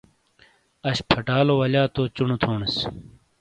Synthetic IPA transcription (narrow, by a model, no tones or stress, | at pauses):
ɐɕpʰɐʈaːlowɐlaːt̪oːt͡ɕunut̪ʰoːɳis